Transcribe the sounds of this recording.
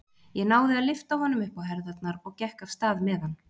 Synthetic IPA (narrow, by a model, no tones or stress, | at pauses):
jɛnaːwðɪaðlɪft̪awhɔnːʏmʏhpawɦɛɾðat̪naɾɔɣcɛhkav̥st̪aːðmɛðanː